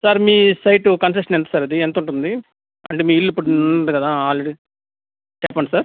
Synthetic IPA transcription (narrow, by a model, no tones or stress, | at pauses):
saːɾmiːsɐjʈukɐnsekʂɐnent̪u̥saːɾɐd̪ient̪uɳʈund̪i | ɐ̰ɳʈeːmiːilːuipːuɽuuɳund̪ukɐd̪aːaːlɾeɽi | t͡ʃɛːpːɐɳʈisaːɾ